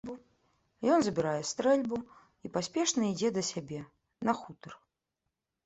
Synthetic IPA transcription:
bu | jɔnzɐbʲiɾajɛst̪ɾɛlʲbu | ipasʲpʲɛʂnɐid͡zʲɛd̪ɐsʲabʲɛ | nɐxut̪ɐr

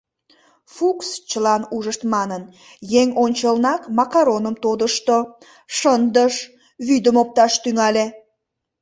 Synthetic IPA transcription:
fukst͡ɕəlɑnuʒəʃt̪mɑnən | jeŋonʲt͡ɕəlnɑkmɑkɑɾonəmt̪od̪əʃt̪o | ʃənd̪əʃ | βyd̪əmop̚t̪ɑʃt̪yŋɑle

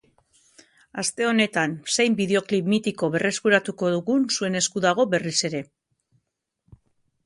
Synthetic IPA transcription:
ast̪e̞o̞ne̞t̪ansejmbiðe̞o̞klipmit̪iko̞βe̞re̞skuɾat̪uko̞ðuɣunsue̞ne̞skuðaɣ̞o̞be̞rise̞ɾe̞

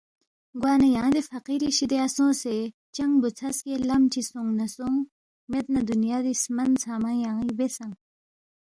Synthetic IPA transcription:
ɡwaːnɐjãːd̪efɐqiɾiɕid̪easõːse | t͡ɕɐŋɡbut͡sʰɐskelɐmt͡ɕisũŋɡnɐsõŋ | met̪̚nɐd̪unjaːd̪ismɐnt͡sʰaːmãjãːibesɐ̃ŋ

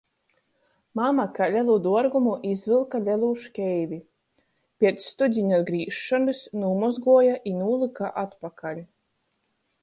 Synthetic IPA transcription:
mamakalʲɛlˠuːd̪uɔɾɡumuʔizvilˠkalʲɛlˠuːʃkʲɛjvʲi | pʲiɛt̪sst̪ud̪zʲiɲad̪ɡɾiːʃːɔnɨsnuːmɔzɡuɔjaʔinuːlˠɨkaʔat̪pakalʲ

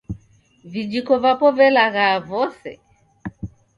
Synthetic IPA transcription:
vid͡ʒikɔvapɔvɛlaɣavɔsɛ̰

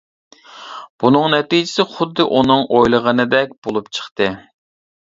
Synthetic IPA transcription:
b̥unɨŋnɛt̪id͡ʒɪsɪχʊd̪ːɨʔunɨŋʔojlˠəʁənɨd̪ɛk̚ʲb̥olˠupt͡ʃʰə̥χt̪ɨ

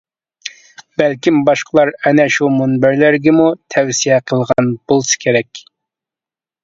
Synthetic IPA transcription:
b̥ælkʲimbɑʃqʰəlˠɑɾɛnɛʃumunbæɾlæɾɡʲɛmut̪ʰɛwsijɛqʰəlˠʁɑnb̥olˠsɨ̥kʲʰeɾɛkʲ

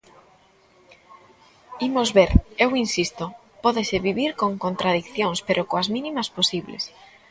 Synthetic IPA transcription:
imozβeɾewinsist̪o | pɔðesɪβiβiɾkoŋkont̪ɾaðikθjoŋspeɾʔokoɐzmĩnĩmɐsposiβlḛs

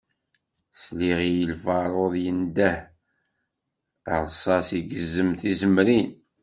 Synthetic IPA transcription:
sliʁijəlfɑɾˤoðˤjənd̪æh | ʁˤsˤɑsiɡəzːəmθizəmɾin

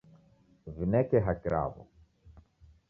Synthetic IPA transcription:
vinɛkɛɦakɾʔa̰vɔ̰

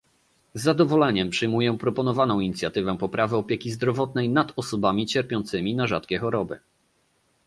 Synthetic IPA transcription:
zːad̪ɔvɔlɛɲɛmpʂɘjmujɛpɾɔpɔnɔvanɔ̃w̃iɲit̪sʲjat̪ɘvɛpɔpɾavɘɔpʲjɛkʲizd̪ɾɔvɔt̪̚nɛjnad̪ɔsɔbamʲit͡ɕɛɾpʲjɔ̃nt̪sɘmʲinaʐat̪kʲɛxɔɾɔbɘ̰

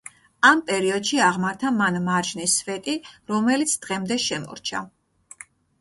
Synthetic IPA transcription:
ampʼɛɾiɔd̪ʃiaʁmaɾt̪ʰamanmaɾd͡ʒnisvɛt̪ʼiɾɔmɛlit̪sʰd̪̥ʁɛmd̪ɛʃɛmɔ̰ɾt͡ʃʰa

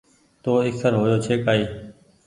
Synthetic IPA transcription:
t̪oːɪksəɾɦoːjoːt͡ʃʰeːkaːiː

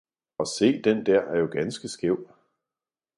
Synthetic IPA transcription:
ɒ̽se̝̰ːd̥end̥æɐ̰æɐjo̝ɡ̥ænsɡ̥əsɡ̥eʊ̰̥

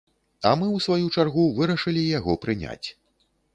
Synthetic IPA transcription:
ɐ̰mɨwsvajut͡ʂarɣuvɨɾɐʂɨlʲijaɣɔpɾɨnʲa̰t͡sʲ

